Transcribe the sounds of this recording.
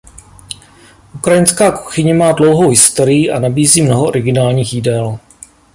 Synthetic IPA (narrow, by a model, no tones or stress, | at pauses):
ʔukɾajɪnskaːku̥xɪɲɛmaːdlo̞wɦowɦɪst̪oɾɪjɪʔa̰nabiːziːmnoɦoʔoɾɪɡɪnaːlɲiːxjɪdɛl